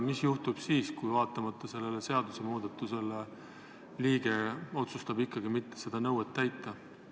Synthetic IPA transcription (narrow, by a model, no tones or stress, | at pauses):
misjuht̪ub̥siːskujvɑːt̪ːˑɑmɑt̪ːˑɑse̞lːe̞lese̞ɑd̪usemuːd̪̥ɑt̪ːˑuse̞le | liːɡ̥eo̞t̪sust̪ɑbikˑːɑɡimit̪ːe̥se̞d̪̥ɑnɤwet̪ːæjt̪ːˑɑ